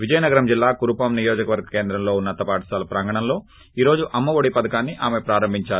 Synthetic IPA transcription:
ʋid͡ʒɐjɐnɐɡɐɾɐmd͡ʒilːaːkuɾupamnijoːd͡ʒɐkɐʋɐɾɡɐke̞ːnd̪ɾɐmlo̞ːunːɐt̪ɐpaːʈɐ̥saːlɐpɾɐŋɡɐɳɐmlo̞ː | iːɾo̞ːd͡ʒuʔɐmːɐʋoɽipɐd̪ɐkaːnːiʔaːmepɾaːɾɐmbʱiɲt͡ʃaːɾu

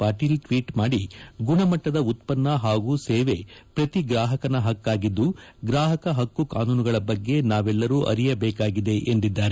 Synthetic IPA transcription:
paːʈiːlʈʋiːʈmaːɽiɡuɳɐmɐʈːɐd̪ɐut̪pɐnːɐɦaːɡuːseːʋe̞pɾɐt̪iɡɾaːɦɐkɐnɐɦɐkːaːɡid̪ːuɡɾaːɦɐkɐɦɐkːukaːnuːnuɡɐɭɐbɐɡːe̞naːʋɛlːɐɾuːʔɐ̰ɾijɐbɛːkaːɡid̪e̞ʔend̪id̪ːaːɾe

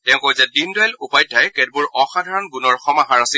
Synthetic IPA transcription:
tɛʊ̃kojzɛdindɔajlupajtʰːajkɛd̚bʊɹɔxadʱaɹɔnɡunɔɹxɔmaɦaɹasi

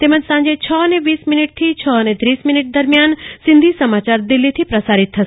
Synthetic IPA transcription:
t̪eməd͡ʒsãnd͡ʒet͡ʃʰəəneʋiːsminiʈ̚t̪ʰit͡ʃʰəənet̪ɾiːsminiʈ̚d̪əɾmjansɪ̃nd̪ʱisəmat͡ʃaɾd̪ilːit̪ʰipɾəsaɾit̪ːʰəʃ

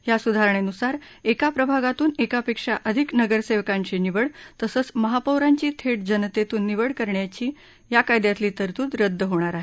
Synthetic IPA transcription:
jasud̪ʱaɾəɳenusaɾ | ekapɾəbʱaɡat̪uːnekapekʂaʔəd̪ʱiknəɡəɾseʋkãɲt͡ɕeniʋəɽt̪əsəːt͡sməɦapəwɾaɲt͡ɕiːt̪ʰeʈ̚d͡ʑənt̪et̪uːnːiʋəɽkəɾɳjat͡ɕiː | jakajd̪jat̪liːt̪əɾt̪uːt̪ɾəd̪ʱːəɦoɽ̃aɾaɦe

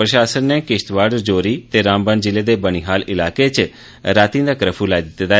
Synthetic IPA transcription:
pɾəʃaːsənːeːkɪst̪ʋaːɾɖəɾd͡ʒoːɾiːt̪eːɾãːmbə̃nd͡ʒɪleːd̪eːbəñiːɦaːlɪlaːket͡ʃ | ɾaːt̪ĩd̪aːkɾəpʰuːlaːid̪ɪt̪ːet̪a

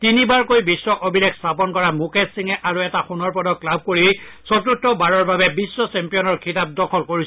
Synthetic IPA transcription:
tinibaɹkojbisːɔʔobʱilekstʰapɔnkɔɹamukesiŋɛʔaɹuɛtaxunɔɹpɔdɔklab̚koɹi | sɔtutːɔbaɹɔɹbabɛbisːɔsɛmpijɔnɔɹkʰitap̚dɔkʰɔlkoɹis

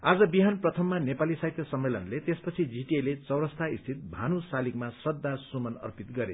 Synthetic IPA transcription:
ad͡zʌbiɦanprʌt̪ʰʌmːanepalisaɦit̪jʌsʌmːelʌnlet̪espʌt͡sʰid͡zʱiʈielet͡sʌwɾʌst̪ʰaist̪ʰit̪̚bʱanusalikmasʌd̪ːasumʌnʌ̰rpit̪ɡʌɾḛ

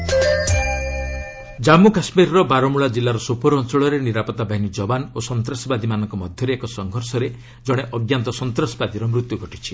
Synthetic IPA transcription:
d͡ʒamukasmiɾɔɾɔbaɾɔmuɭad͡ʒilːaɾɔsopɔɾɔnt͡ʃɔɭɔɾeniɾapɔt̪abʱaɦinid͡ʒɔbanosɔnt̪ɾɔsɔbad̪imanɔŋkɔmɔd̪ʱjɔɾeekɔsɔŋɡʱɔɾsɔɾe | d͡ʒɔɽ̃eʔɔɡjant̪ɔsɔnt̪ɾɔsɔbad̪iɾɔmɾut̪juɡʱɔʈit͡ʃʰi̥

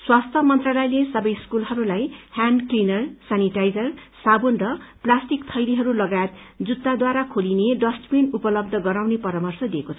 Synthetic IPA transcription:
swast̪ʰjʌmʌnt̪rʌlʌjlesʌbʌjskulɦʌɾulajhanɖklinʌrsaniʈajd͡zʌrsabunrʌplasʈikt̪ʰʌjɾiɦʌɾulʌɡajet̪d͡zut̪ːad̪waɾakʰolineɖʌsʈpenupʌlʌb̚d̪ʱʌɡʌɾawnepʌɾamʌrsʌd̪iekot͡sʰʌ

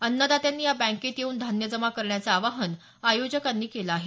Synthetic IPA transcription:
ənːəd̪at̪janːiːjabæ̃ŋket̪jeuːnd̪ʱanjəd͡zəmakəɾɳjat͡saːʋaɦən | ajod͡ʑəkanːiːkelaaːɦe

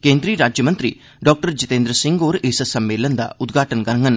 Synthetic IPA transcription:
kẽːnd̪ɾiːɾaːd͡ʒjəmə̃nt̪ɾḭː | ɖɔːk̚ʈəɾd͡ʒɪt̪ẽːnd̪ɾəsɪ̃ŋɡoːɾeːsəsɐmːeːlənd̪a̰ːʊt̪ɡʱaːʈənkəɾəŋɡən

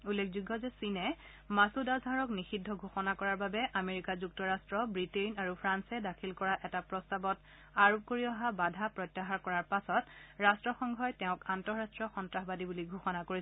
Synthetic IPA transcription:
ulːekʰzuɡːɔzɛsinɛ | masudazʱaɹɔknixidʱːɔɡʱuxɔnakɔɹaɹbabɛʔameɹikazuktɔɹastɹɔbɹitenaɹupʰɹansɛdakʰilkɔɹaʔɛtapɹɔstabɔt | aɹop̚koɹiɔɦabadʱapɹɔtːaɦaɹkɔɹaɹpasɔtɹastɹɔxɔŋɡʱɔjtɛʊ̃kantɔɹɹastɹɔxɔntɹaxbadibuliɡʱuxɔnakoɹi

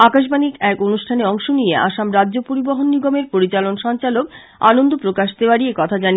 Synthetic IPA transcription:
akaʃ̬banikɛkonuʃʈʰaneɔŋʃonijea̰ʃamɾadːʑopoɾiboɦonːiɡomeɾpoɾit͡ɕalonʃɔnt͡ɕalok | a̰nond̪ʱopɾokaʃd̪eoaɾiekɔt̪ʰad͡ʑani

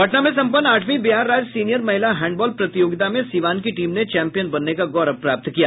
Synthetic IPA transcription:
bʱɐʈnamẽs̬ɐ̃mpənːaːʈʰmibɪɦaːɾːaːd͡ʒsiːnijəɾmɐɦɪlaɦɛ̃ːɳɖbɔːlpɾɐt̪ɪjoːɡɪt̪amẽsiːʋaːnkiʈiːmnet͡ʃɛːmpijənbɐnːekaɡɔːɾəpɾaːp̚t̪kijaː

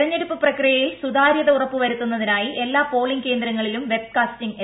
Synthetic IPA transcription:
rɐɲːe̞ɽupːɨprɐkrijɐjilsud̪aːɾjɐðɐurɐpːuʋɐɾut̪ːunːɐðinaːjiʔe̞lːaːpo̞ːɭiŋɡke̞ːnd̪ɾɐŋːɐɭilumʋe̞b̚kaːstiŋe

